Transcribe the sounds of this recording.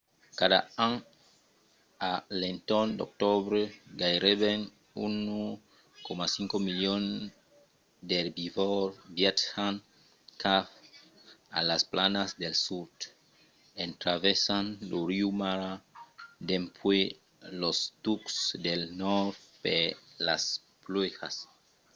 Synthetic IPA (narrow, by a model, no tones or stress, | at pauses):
kad̪a̰an | alent̪ond̪ok̚t̪oβɾeɡajɾeβen | unu | komasiŋkomiljon | d̪eɾbivoɾbjet̪an | kaf | a̰lasplanasd̪elsuɾd̪ | ent̪ɾavesanluɾiumaɾad̪empʰwe | lost̪uksd̪elnoɾtpela̰s | plwexa̰s